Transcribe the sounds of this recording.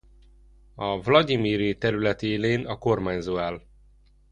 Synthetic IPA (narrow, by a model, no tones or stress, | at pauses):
ɒvlɒd̪imiːɾit̪ɛɾylɛt̪eːleːnɒko̞rmaːɲzoːaːl